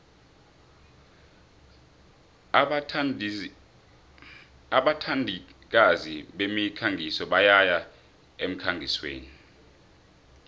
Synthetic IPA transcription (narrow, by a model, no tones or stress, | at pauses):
aɓatʰandʱik̬aziɓemikʰaŋɡʱisɔɓajaja | em̩kʰaŋɡʱiswḛːni